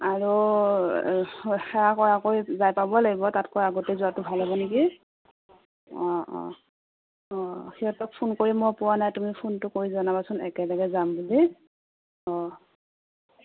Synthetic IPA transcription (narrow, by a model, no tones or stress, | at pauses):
aɹu | xɛɹakɔɹakoɹizajpabɔlaɡibɔtatkɔjaɡotɛzuatʊbʱalabɔneki | ɔ̰̃ | ɔxiɦɔtɔk̚pʰunkoɹimɔjpʊwanajtumipʰuntʊkoɹizɔnabasʊnɛ̰kɛlɔɡɛzambuli | ɔ̃